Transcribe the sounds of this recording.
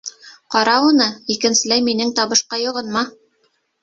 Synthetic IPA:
qɑɾɑunɤikɘ̆nsɘ̆læjminɘŋt̪ɑβɤ̆ʃqɑjŏʁɤnmɑ

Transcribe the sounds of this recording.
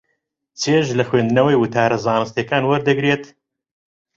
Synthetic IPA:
t͡sʰeʒlɐxweːnd̪ɨnɐwɐjwɨt̪ʰaːɾɐzaːnɨst̪jekaːnwɐɾd̪ɐɡɾeːt̪

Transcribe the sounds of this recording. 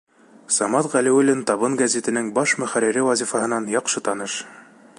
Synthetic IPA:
sɑmɑt̪ʁælĭwɘ̆lɘnt̪ɑβɤnɡæzʲet̪ɘ̆nɘŋbɑʃmɵ̆χæɾiɾɘwɑzʲifɑɦɤ̆nɑnjɑqʃɤt̪ɑnɤʃ

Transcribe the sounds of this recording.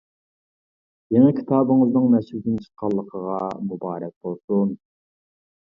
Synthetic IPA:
jeŋɛkʲʰi̥t̪ʰɑːbɨŋɨznɨŋmɛʃhud̪ʲɪnt͡ʃʰə̥qʰːɑlˠːəqʰəʁɑmubɑːɾɛk̚ʲbolˠsun

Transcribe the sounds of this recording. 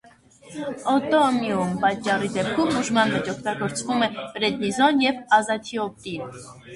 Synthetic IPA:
ɔt̪ɔmjumpɑt͡ʃːɑrid̪ɛp̚kʰumuʒmɑnvɛt͡ʃɔkʰt̪ɑɡɔɾt͡svumɛɾɛd̪nizɔnjɛvɑzɑt̪ʰiɔp̚t̪in

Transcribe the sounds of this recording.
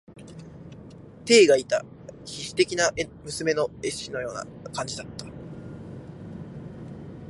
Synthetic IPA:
t̪e̞ːɡait̪a | çiɕi̥t̪e̞kʲinaʔmɯ̟sɨme̞no̞e̞ɕino̞jo̞ːna̰kãɲ̟d͡ʑid̪at̪ːḁ

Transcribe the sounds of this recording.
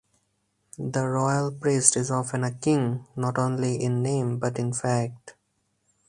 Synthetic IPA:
d̪əɾɔɪəlpɾiːsʈɪzɔːfə̃nəkɪ̃ŋnɔːʈõːnliʔɪ̃nːẽːmbʌʈɪ̃nfæk̚ʈ

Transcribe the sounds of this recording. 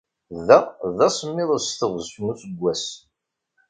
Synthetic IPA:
ðæðæsəmːɪðˤəsθəʁznusəɡʷːæs

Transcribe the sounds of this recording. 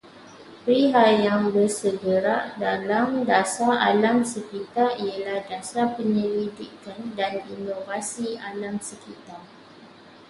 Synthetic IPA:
pɾiɦajaŋbərsəɡəɾaʔdalamdasaa̰lamsəkit̪arialahdasapəɲəɾidikandaninovasialamsəkit̪a

